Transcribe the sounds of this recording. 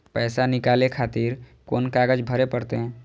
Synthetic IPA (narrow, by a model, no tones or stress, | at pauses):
pɛːsanɪkaːlekʰaːt̪iːɾkoːnkaːɡəd͡ʒbʱəɾepəɽt̪eɦɛ̃ː